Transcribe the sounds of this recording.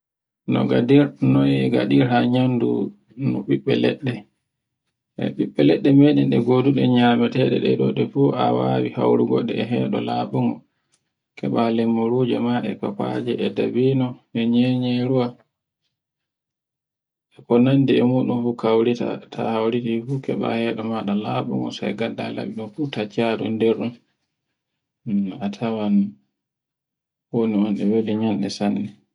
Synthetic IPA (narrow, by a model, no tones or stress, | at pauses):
nɔɡadiɾnɔjɡa̰ɗiɾhaɲandṵ | nɔɓiɓɛlɛ̰ɗːɛ | ʔɛ̰ɓiɓːɛlɛɗːɛmeɗɛnɗɛɡoduɗɛɲaːmɛtɛɗɛɗɛ̰ɗɔɗɛfuʔa̰wawiha̰wɾuɡɔ̰ɗɛɛɦɛːɗɔlaːɓuŋɔ | kʰɛɓalɛmːuɾud͡ʒɛmaʔɛkapad͡ʒɛɛdabiːnɔɛɲɛɲɛɾuwa | ʔɛpɔnandiɛmuːɗunfukawɾita̰tʰa̰hawɾitifukɛɓa̰hɛːɗɔmaɗalaɓṵŋɡɔ̰sa̰jɡadːa̰la̰ɓiɗɔmfutat͡ʃːaɗɔ̰ndɛɾɗɔn | atʰawan | woniɔnɗɛweliɲanɗɛsanːɛ